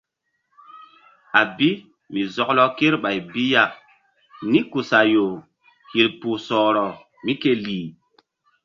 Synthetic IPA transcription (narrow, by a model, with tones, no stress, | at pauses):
a˨bi˦ | mi˨zɔ˨klɔ˦ke˦ɾɓa˨jbi˦ja˦˨k | ni˦ku˨sa˨jo˨ | hi˨ɾpu˨sɔː˨ɾɔ˨ | mi˦ke˦liː˨